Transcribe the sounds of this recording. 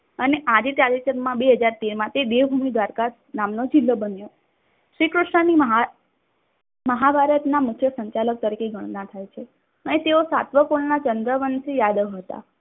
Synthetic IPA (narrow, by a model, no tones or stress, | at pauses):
əneʔad͡ʒet̪ɾad͡ʒit͡ʃənmãbeɦəd͡ʒaɾt̪eɾmãt̪ed̪eʋbʱumid̪ʋaɾka | namnod͡ʒilːəbənjo | ʃɾikɾʊʂɳəniɦ | məɦabʱaɾət̪namʊkʰjəsəɲt͡ʃalək̚t̪əɾikeɡʱəɳ̃nat̪ʰajt͡ʃʰe | ənet̪eosat̪ʋəkolnat͡ʃənd̪ɾəʋənsijad̪əʋɦət̪a̰